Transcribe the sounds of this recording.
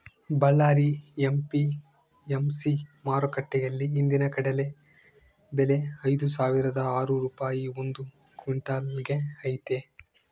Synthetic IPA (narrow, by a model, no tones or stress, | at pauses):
bɐɭːaːɾiempi | emsimaːɾokɐʈːɛjɐlːiːnd̪inɐkɐɽɐle̞ | bele̞ɐjd̪usaːʋiɾɐd̪ɐaːɾuɾuːpaːjiond̪u | kiɳʈaːlɡeɐjt̪e